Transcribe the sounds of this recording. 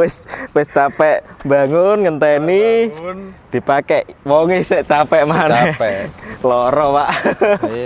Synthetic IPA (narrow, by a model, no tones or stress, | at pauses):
wɪswɪst͡ʃapɛʔmbaŋʊnŋənt̪ɛni | d̪̥i̤pakɛʔwɔŋɪhsɛʔt͡ʃapɛʔmanɛ | lɔɾɔwaʔ